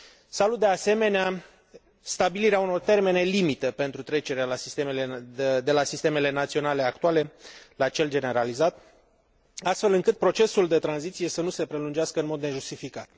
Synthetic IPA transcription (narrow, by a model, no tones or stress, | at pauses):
salut̪̚d̪e̞ase̞me̞nea | st̪abiliɾeauno̞rt̪e̞rme̞ne̞limit̪əpe̞nt̪ɾut̪ɾe̞t͡ʃe̞ɾealasist̪emeled̪e̞lasist̪e̞me̞le̞nat̪sio̞nale̞akt̪uale̞lat͡ʃe̞ld͡ʒe̞ne̞ɾalizat̪ | ast̪fe̞lɨŋkɨt̪̚pɾo̞t͡ʃe̞suld̪e̞t̪ɾanzit̪sije̞sənuse̞pɾe̞lund͡ʒeaskəɨnmo̞d̪ne̞ʒust̪ifikat̪